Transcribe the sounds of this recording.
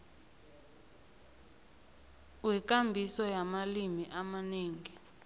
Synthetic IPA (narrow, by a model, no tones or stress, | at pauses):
wɛk̬ʼambʱisɔjamalimiʔamaneːŋi